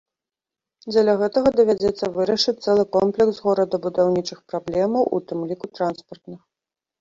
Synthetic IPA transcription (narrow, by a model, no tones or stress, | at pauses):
d͡zʲɐlʲaɣɛt̪ɐɣɐd̪ɐvʲad͡zʲɛt̪sːɐvɨɾɐʂɨt͡s̚ʲt̪sɛlˠɨkɔmplʲɛksɣɔɾɐd̪ɐbud̪awnʲit͡ʂɨxpɾablʲɛmɐwʔṵt̪ɨmlʲikut̪ɾanspɐrt̪nɨx